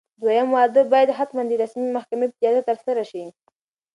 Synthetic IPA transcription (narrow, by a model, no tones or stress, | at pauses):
d̪wajamwɑd̪əbɑjad̪ɦat̪mand̪iɾasmimahkamepzjɑd̪at̪aɾsaɾaʃi